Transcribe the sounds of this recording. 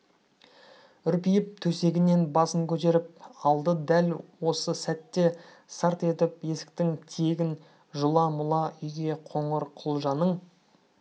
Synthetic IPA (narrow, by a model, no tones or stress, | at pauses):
ʏɾpijɪp̚t̪ʰɵse̞ɡʲɪne̞nbɑsəŋkʲʰɵt̪e̞ɾɪp̚ɑlˠd̪əd̪ælwo̞səsæt̪ːe̞ | sɑɾt̪e̞t̪ɪpje̞sɪ̥k̚t̪ɪŋt̪ʰeɡʲɪn | ʒʊlˠɑmʊlˠɑʏjɡʲe̞qʰo̞ɴəɾqʰʊlˠʒɑnəɴ